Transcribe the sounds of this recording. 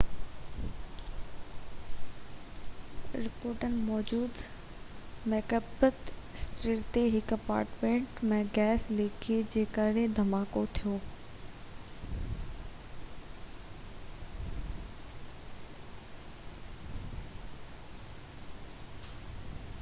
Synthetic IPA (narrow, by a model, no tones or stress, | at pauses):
ɾɪpoːɾʈənɪ̆mɔːd͡ʑuːd̪ | mɛːkəbət̪ɪsʈɾiːɾt̪eɦɪkɐpa̰ːɾʈmẽːɳʈmẽːɡɛːsleːkʰed͡ʑeːkəɽed̪ʱɐmaːkot̪ʰijoː